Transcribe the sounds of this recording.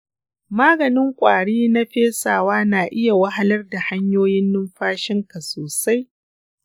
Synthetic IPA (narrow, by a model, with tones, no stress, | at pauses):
maː˦ɡɐ˨nɪ˦ŋkʷʼaː˨ɽiː˦na˦ɸeː˦saː˨waː˦naː˨ʔɪ˦ja˨wɐ˦ɦa˦lɐ˦rda˨ha˦ɲjoː˦jɪ˦nːɪ˦mɸaː˦ʃɪ˦ŋka˨soː˨sa˦j